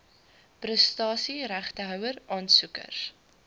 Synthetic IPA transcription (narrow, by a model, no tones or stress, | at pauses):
prəstɑːsiɾæχtəɦœwərɑːnsukə̰r